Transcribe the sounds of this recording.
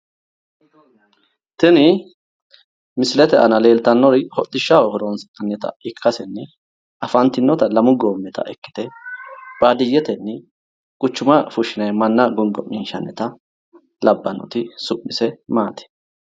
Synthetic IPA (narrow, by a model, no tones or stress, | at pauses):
t̪ɪnɪ | mɪsɪlɛt̪ɛʔɐnɐle̞ːlt̪ɐnːɔɾɪhɔt̪ʼːɪʃːawɔhɔɾonsɐnːɛt̪ɐ̰ɪkʰːɐsɛnːɪ | ʔɐfɐnt̪ɪnːɔt̪ɐlɐmʊɡoːmːɛt̪ʰɐ̰ʔɛkːɪ̥t̪ɛ | b̥aːd̪ɪjːɛt̪ɛnːɪ | kʼʊt͡ʃːʊmɐfʊʃɪnɐjmɐnːɐɡʊŋɡɔmɪnʃɐnːɛt̪ɐ | lɐbːɐnːɔ̰t̪ɪsʊʔːɪsɛmaːt̪ɛ̥